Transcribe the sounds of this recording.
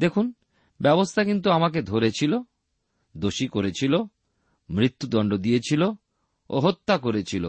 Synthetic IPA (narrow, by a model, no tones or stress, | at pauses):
d̪ekʰun | bɛbost̪ʰakint̪̬uamaked̪ʱoɾet͡ɕʰilo | d̪oʃikoɾet͡ɕʰilo | mɾit̪ːud̪ɔɳɖod̪ijet͡ɕʰilo | o̰ɦot̪ːakoɾet͡ɕʰilo̰